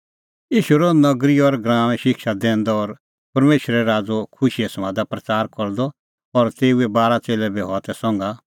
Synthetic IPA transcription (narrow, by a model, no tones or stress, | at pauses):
iːʃuɾɔnɐɡɾiɔɾɡɾãːʋ̃ɛ̃ʃɪkʃad̪ɛ̃ːnd̪ɔɔɾ | pɐɾmeːʃɾɛɾaːd͡zokʰʊʃiɛsmãd̪apɾɐt͡saːɾkɔɾd̪ɔ | ɔɾt̪eːuɛbaːɾat͡seːlɛbiɦɔat̪ɛsɔ̃ŋɡa